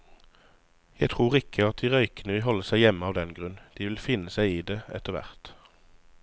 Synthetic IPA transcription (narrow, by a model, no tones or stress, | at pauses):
jæɪt̪ʰʁuːʁɪkʰəɑt̪̚d̪iːʁœʏkənəʋɪlɦɔləsæɪjɛməɑːʋd̪ɛnɡʁʉnd̪̥iːʋɪlfɪnːəsæɪiːd̪eːɛ̰t̪əʁʋæ̰ʁt̪